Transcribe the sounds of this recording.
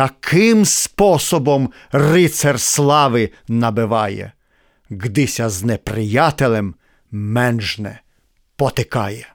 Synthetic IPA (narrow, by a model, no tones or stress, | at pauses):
ɐkʰɪmspɔsɔbɔm | rɪt̪sɛrslˠɑʋɪ | nɐbɪʋɑjɛ̰ | ɣd̪ɪsʲɐznɛpɾɪjɑt̪elʲˠɛm | mɛnʒnɛ̰ | pɔt̪ɪkɑjɛ